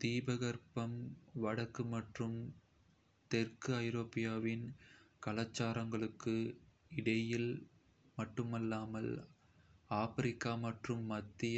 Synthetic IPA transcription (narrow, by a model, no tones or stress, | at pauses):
t̪iːbɐɣɐɾpɐmʋɐɽɐkːɯmɐʈrɯm | t̪ɛrkɯɐɪɾoːpːɪjaːʋɪnkɐlɐt͡ʃːaːɾɐŋɡɐɭɯkːɯ | ɪɽɐjɪl | mɐʈːɯmɐlːaːmɐl | aːfɐɾɪkːaːmɐʈrɯmːɐt̪ːɪjɐ